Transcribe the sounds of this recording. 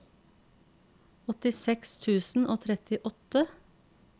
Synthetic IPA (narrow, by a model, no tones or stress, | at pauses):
ɔt̪ɪsɛkst̪ʰʉːsn̩ʔoːt̪ʰɾɛt̪ɪʔɔt̪ə